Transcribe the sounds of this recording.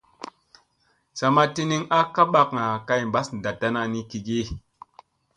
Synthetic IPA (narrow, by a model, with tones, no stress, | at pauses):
sa˨ma˦ti˦ni˦ŋa˦ka˦ɓa˦kŋa˨ka˦˨jm˨ba˦sn˨da˨tːa˦na˨ni˦ki˨ɡi˦